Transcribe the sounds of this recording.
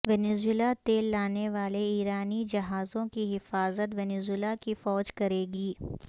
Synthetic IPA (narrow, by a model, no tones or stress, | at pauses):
ʋɛːnezʊɪlat̪eːlːaːneʋaːleiːɾaːnid͡ʒɐɦaːzõkiɦɪfaːzət̪ʋɛːnezɪlakifɔːd͡ʒkɐɾeːɡiː